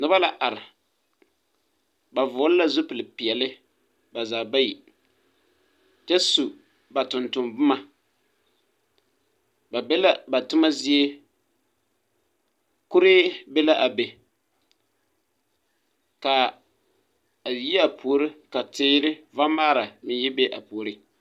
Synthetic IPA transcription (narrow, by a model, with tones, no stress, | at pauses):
nɨ˦ba˦la˨ʔa˨ɾɪ˨ | ba˨vʊː˨˦lla˦zʊ˦pɨ˨lɪ˨pi˨ɛ˨lɪ˦ | ba˨za˨ba˦ji˨ | t͡ʃɛ˦su˨ | ba˨tʊ˨ntʊ˨mbʊ˦ma˦ | ba˨bɛ˦la˦ba˨tʊ˦ma˦zi˦e˦ | kʊ˦ɾɪ˦be˦la˦ʔa˨be˨ | ka˨ | a˨ji˦a˨pʰu˨o˨˦ɾɪ˦ka˨tɪː˦ɾɪ˦va˦maː˦ɾa˨mɪ˦jɪ˦be˦ʔa˨pu˨o˨ɾɪ˦